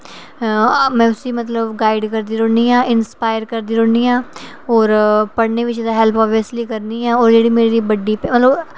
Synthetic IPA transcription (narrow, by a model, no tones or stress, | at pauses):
mɛ̃ːʊsiːmət̪ləbɡaːɪɖkəɾd̪iːɾõːɳiːãːʔɪnspaːɪəɾkəɾd̪iːɾõːɳiːãː | ɔːɾpəɽneːʋɪt͡ʃed̪aːɦɛlpʰɔːbiəsliːkəɾniːãːoːɾd͡ʒeːɽiːmeːɾiːbəɖiːpɛmət̪ləb